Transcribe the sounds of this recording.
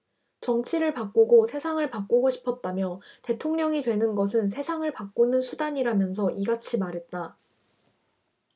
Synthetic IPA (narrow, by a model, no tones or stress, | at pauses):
t͡ɕʌŋt͡ɕʰiɾɯɭpak͈uɡosʰe̞sʰaŋɯɭpak͈uɡoɕʰi̥pʰʌt̚t͈amjʌte̞tʰoŋɲʌŋidwe̞nɯnɡʌs̬ʰɯnsʰe̞sʰaŋɯɭpak̚k͈unɯnsʰudaɲiɾamjʌns̬ʰʌʔiɡat͡ɕʰimaɾɦe̞t̚t͈a